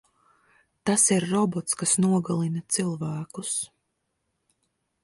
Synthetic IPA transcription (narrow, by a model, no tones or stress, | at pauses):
t̪asiɾːɔbɔt̪skasnuɔɡalˠinɐt̪silˠvæːkus